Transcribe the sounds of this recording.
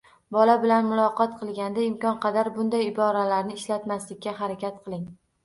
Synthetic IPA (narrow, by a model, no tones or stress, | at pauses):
bɒlabɪlanmʊlˠɒqʰɒt̪̚qʰɨlˠɡʲand̪aɪmkʲɒnqʰɑd̪aɾbʊnd̪ajɪbɒɾalaɾnɪɪʃlat̪maslɪkʲːaɦaɾakʲat̪̚qʰɨlˠɪŋ